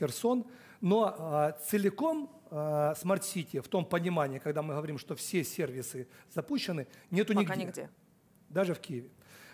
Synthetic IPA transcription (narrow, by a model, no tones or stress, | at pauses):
ɪrso̞n | no̞t̪sɨlʲɪko̞m | smɐrt̪sʲitʲɪəft̪o̞mpənʲɪmanʲɪikɐɡd̪amɨɦəʋɐɾʲimʂt̪o̞fsʲesʲervʲɪsɨz̥ɐpuɕːɪnɨnʲet̪ʊnʲɪɡʲɪ | d̪aʐɨfkʲijɪvʲɪ